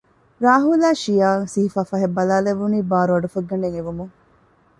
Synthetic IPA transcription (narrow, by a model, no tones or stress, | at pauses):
ɾaːɦulaːʃijaːŋsiɦifaːfɐɦebːɐlaːleʋːuniːbaːɾuʋɐɖufɐɡːɐɳeŋeʋumuŋ